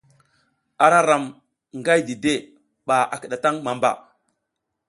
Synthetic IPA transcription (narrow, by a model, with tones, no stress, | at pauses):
a˨ɾa˦ɾa˨m | ŋɡa˦jdi˨de˦˨ | ɓa˨a˨kə˨ɗa˨ta˦ŋma˨mba̰˨